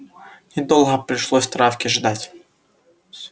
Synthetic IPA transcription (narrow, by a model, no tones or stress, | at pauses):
nʲɪd̪ɔlˠɦɐpɾʲɪʂlˠɔsʲt̪ɾafkʲɪʐd̪atʲ